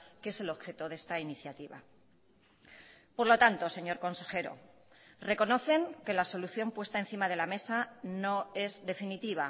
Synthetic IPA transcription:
keese̞lo̞βxe̞t̪o̞ð̞e̞st̪ainiθjat̪iβa̰ | po̞ɾlo̞t̪ant̪o̞se̞ɲo̞ɾko̞nse̞xe̞ɾo̞̰ | re̞ko̞no̞θe̞ŋke̞laso̞luθjo̞mpwe̞st̪ae̞nθimað̞e̞lame̞sano̞e̞zðe̞finit̪iβ̞a̰

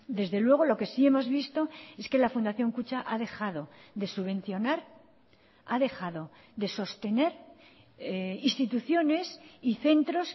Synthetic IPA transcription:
d̪e̞zðe̞lwe̞ɣ̞o̞lo̞ke̞sie̞mo̞zβist̪o̞e̞ske̞lafund̪aθjo̞ŋkut͡ʃaʔaðe̞xað̞o̞ðe̞suβẽ̞n̟θjo̞naɾ | aðe̞xaðo̞ | ðe̞so̞st̪e̞ne̞ɾ | ist̪it̪uθjo̞ne̞siθe̞nt̪ɾo̞s

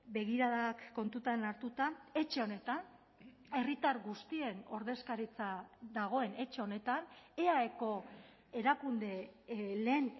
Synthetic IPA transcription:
be̞ɣiɾaðakːo̞nt̪ut̪anaɾt̪ut̪ae̞t͡ʃe̞o̞ne̞t̪an | e̞rit̪aɾɣust̪ie̞no̞ɾðe̞skaɾit͡saðaɣ̞o̞e̞ne̞t͡ʃe̞o̞ne̞t̪ane̞aeko̞ | e̞ɾakund̪e̞le̞ːn

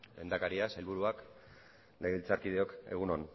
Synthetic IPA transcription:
le̞̰nd̪akaɾiasajlβuɾuak | leɣlt͡saɾkið̞eo̞ke̞̰ɣ̞unon

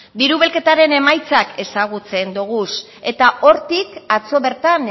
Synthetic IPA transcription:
biɾuβ̞e̞lke̞t̪aɾe̞ne̞majt͡sake̞saɣut͡se̞nd̪uɣ̞us | e̞t̪aʔo̞ɾt̪ikat͡so̞βe̞ɾt̪an

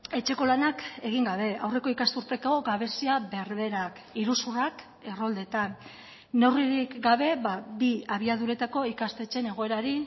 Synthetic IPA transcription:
e̞t͡ʃe̞ko̞lanake̞ɣ̞iŋɡaβ̞e̞awre̞ko̞ikast̪uɾt̪e̞ko̞ɡaβe̞siaβe̞ɾβe̞ɾak | iɾusurak | e̞ro̞ld̪e̞t̪anː | oriɾikɡaβe̞βabiaβ̞iaðuɾe̞t̪ako̞ikast̪e̞t͡ʃe̞ne̞ɣ̞o̞e̞ɾaɾi

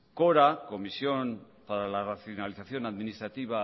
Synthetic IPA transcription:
koɾako̞misjo̞m | paɾalaraθjonaliθaθjo̞naðminist̪ɾat̪iβ̞a

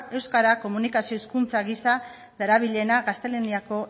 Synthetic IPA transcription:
e̞wskaɾako̞munikasio̞iskunt͡saɣisa | ðeɾaβiʎe̞naɣast̪e̞leniako̞

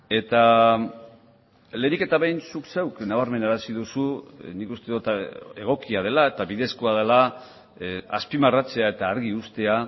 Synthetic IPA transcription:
e̞t̪a | le̞nike̞t̪aβejnsukse̞wknaβ̞aɾme̞naɾasið̞usunikust̪e̞ðut̪e̞ɣ̞o̞kiað̞e̞lae̞t̪aβiðe̞skoað̞ela | aspimarat͡se̞ae̞t̪aːɾɣiust̪e̞a

